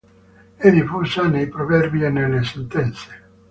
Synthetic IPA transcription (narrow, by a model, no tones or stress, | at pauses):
ɛd̪ifusanejpɾovɛrbjienelːesent̪ɛnt̪se̥